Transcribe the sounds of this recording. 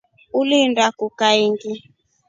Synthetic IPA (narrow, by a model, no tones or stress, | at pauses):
ulindakukaiŋɡi